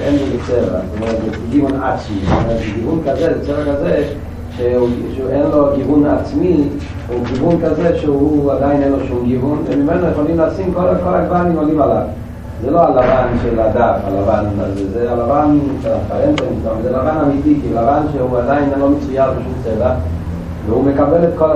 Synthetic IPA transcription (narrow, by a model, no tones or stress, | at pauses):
enlilit͡seva̰zot̪omeʁet̪ze | ɡivuna̰t͡smit̪o̰meʁet̪zeɡivunkazezet͡seʁakaze | ʃeuʃenlo̞ɡivunaːt͡smi | uɡivunkazeʃeuad̪ainenloʃumɡivunvemimenojeχolimleːsimkolakola̰ɡvanimolimalav | zelo̞alavanʃelad̪afa̰lavanazezealavanafaemtaimt̪avazelavanamit̪ikilavanʃeuad̪ainlo̞met͡sujaʁbeʃumt͡seda | veumekabe̞let̪ko